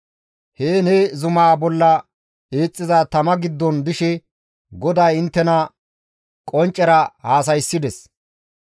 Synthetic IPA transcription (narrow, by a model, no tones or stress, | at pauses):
heːnezʊmaːbɔlːɐ | eːt͡sʼːɪzat̪ɐmɐɡɪd̪ːɔnd̪ɪʃɛ | ɡɔd̪aːjɪnt̪ːɛnɐ | kʼɔnt͡ʃʼːɛɾɐhaːsɐjsːɪd̪ɛs